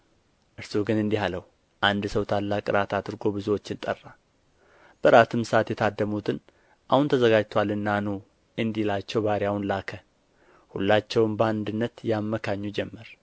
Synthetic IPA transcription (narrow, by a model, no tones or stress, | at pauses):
ʔɨɾsoɡɨnɨnd̪iɦaləhu | ʔand̪səwt̪ʰalːakʼɨɾat̪ʰad̪ɨɾɡo̞bɨzuwo̞t͡ʃːɪnt̪ʼərːa | b̥əɾat̪ʰɨmsat̪jɛt̪ʰad̪ːəmut̪ʰɨn | ʔahunt̪ʰəzəɡad͡ʒt̪ʰwalɨnːanu | ɨnd̪ilat͡ʃːɛwbaɾjahunlakʰə | hṵlːat͡ʃːɛwɨmbəand̪ɨnːət̪jamːəkʰaɲːud͡ʒɛmːəɾ